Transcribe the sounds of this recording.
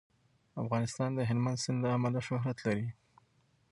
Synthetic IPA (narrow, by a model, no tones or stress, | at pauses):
afɣɑnɪst̪ɑnd̪əɦɪlmand̪sɪnlaamalaʃʊɦɾat̪laɾi